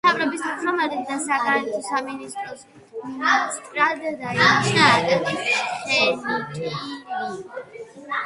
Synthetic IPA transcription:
avɾɔbisʰt̪ʰɾamad̪ɛb̚d̪asaɡaɾɛt̪ʰɔsaminist̪ʼɾɔs | sʼt̪ʼɾad̪ɛd̪aiiʃd̪aːɾkɛt̪ʼɛsχɛnitʼii

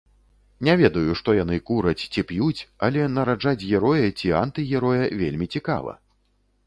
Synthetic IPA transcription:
nʲɛvʲɛd̪ɐjuʂt̪ɔjanɨkuɾɐt͡sʲt͡sʲipjut͡sʲɐlʲɛnɐɾad͡ʐat͡sʲɣʲɛɾɔjɐt͡sʲiant̪ɨɣʲɛɾɔjɐvʲelʲmʲit͡sʲika̰vɐ̰

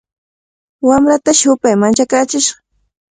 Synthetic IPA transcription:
wamɾat̪aʃʊpajmant͡ʃakaːt͡ʃɪʃɢɑ

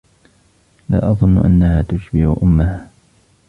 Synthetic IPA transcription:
la̰ːʔɑðˤʊnːʊʔa̰nːahaːt̪ʊʃbɪʔʊʔʊmːahaː

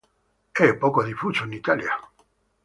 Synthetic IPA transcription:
ɛpɔkoðifusoenit̪alja

